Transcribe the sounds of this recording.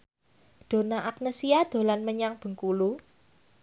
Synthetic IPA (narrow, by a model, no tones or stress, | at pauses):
d̪̥o̤naʔak̚nəsiad̪̥o̤lanməɲaŋb̥ə̤ŋkulu